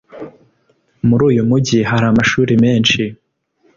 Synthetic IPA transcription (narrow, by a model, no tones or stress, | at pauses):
muɾuːjumuɟiɦaɾamaʃuːɾimeːnʃi